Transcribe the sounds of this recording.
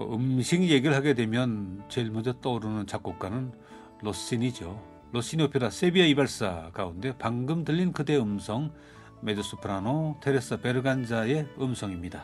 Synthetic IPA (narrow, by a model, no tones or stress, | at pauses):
ɯmɕʰiŋje̞ɡiɾɯɭɦaɡe̞dwe̞mjʌnt͡ɕeɭmud͡ʑʌt͈ʌɾɯnɯnt͡ɕak͈ok͈anɯn | los͈inid͡ʑo | los͈inopʰjɾasʰebiaibaɭs͈akaunde̞paŋɡɯmdɯʎːinkɯde̞ɯmsʰʌŋ | me̞dɯs͈ʰupʰɯɾanotʰeɾes͈ɯpe̞ɾɯɡand͡ʑae̞ɯmsʰʌŋimɲida